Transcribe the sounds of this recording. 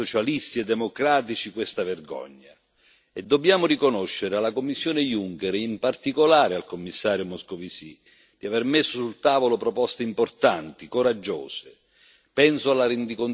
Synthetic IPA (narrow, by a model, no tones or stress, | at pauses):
ot͡ʃalist̪iɛd̪ːɛmokɾaːt̪it͡ʃikwest̪avɛrɡɔ̰ɲːa̰ | ɛd̪ːobjaːmʊrikonoʃːɪɾɪalːakomːisːjoːnɪjuŋkɛɾimpart̪ikolaːɾɪalkomːisːaːɾjʊmɔskovisi | d̪̥iavermɪsːʊsult̪aːvolopɾɔpɔst̪eimport̪ant̪ikoɾad͡ʒːo̰ːsɪ | pɛnsʊalːaɾend̪ikon